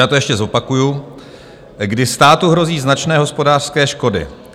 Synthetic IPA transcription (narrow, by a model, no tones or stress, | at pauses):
aːt̪ojɛʃcɛzo̞pakuju | ɡdɪst̪aːt̪uɦɾo̞ziːznat͡ʃnɛːɦo̞spo̞daːr̥skɛːʃko̞dɪ̰